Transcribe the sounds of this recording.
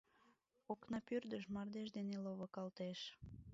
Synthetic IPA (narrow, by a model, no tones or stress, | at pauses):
oknɑpyrd̪əʃmɑrd̪eʃd̪eneloβəkɑlt̪eʃ